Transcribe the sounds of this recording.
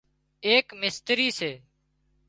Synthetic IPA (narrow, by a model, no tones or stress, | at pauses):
eːkmɪst̪ɾiːseː